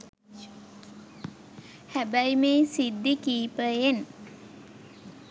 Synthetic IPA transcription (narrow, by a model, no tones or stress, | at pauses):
hæbæjmeːsid̪ːikiːpəen